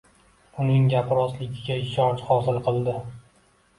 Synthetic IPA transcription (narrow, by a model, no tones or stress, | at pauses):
ʊnɪŋɡʲapʰɾɒslɪɡʲɪɡʲaɪʃɒt͡ʃχɒsɪlˠqʰɨlˠd̪ɪ